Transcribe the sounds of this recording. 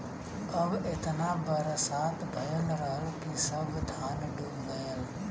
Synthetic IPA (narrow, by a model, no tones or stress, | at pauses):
ɐbɪt̪naːbəɾsaːt̪bʱɐjəlɾaːɾuːkisɐbʱt̪ʰaːnɖuːlɡɐjəl